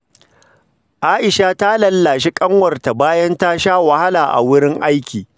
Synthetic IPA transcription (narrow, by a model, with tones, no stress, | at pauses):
ʔaː˦ʔɪ˨ʃa˦ta˦lɐ˦lːaː˨ʃi˦kʼɐ˦ŋwɐ˨rta˨baː˦jɐ˦nta˦ʃaː˦wa˨ha˦laː˨ʔa̰˨wʊ˦ɽɪ˦ŋʔa˦jkʲiː˨